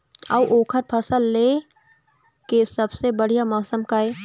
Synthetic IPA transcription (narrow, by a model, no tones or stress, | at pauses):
ɐwʔoːkʰəɾpʰɐsəlːeː | kesɐbsebɐɽ̤ijamɔːsəmkaeː